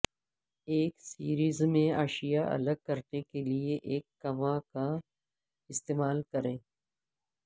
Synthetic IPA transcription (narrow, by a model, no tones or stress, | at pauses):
eːksiːɾiːzmẽa̰ːʃijaʔɐ̰ləɡ̚kɐɾnekelieʔeːkːɐmãka | ɪst̪eːmaːlkɐɾẽː